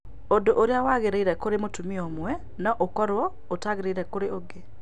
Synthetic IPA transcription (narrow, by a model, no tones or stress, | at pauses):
odoʔoɾjawaɣeɾeiɾɛkoɾemotumiomwɛ | nɔʔokɔɾwɔ | otaɣeɾeiɾɛkoɾeoɡe